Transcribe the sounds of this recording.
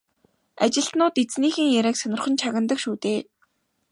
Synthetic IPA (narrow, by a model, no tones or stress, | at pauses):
at͡ɕɪ̆ɬt̪nʊːt̪et͡sniːxɘ̆ŋjæɾæːksœnʲɪ̆rχə̆nt͡ɕʰaɣə̆nt̪ə̆kʃuːt̪eː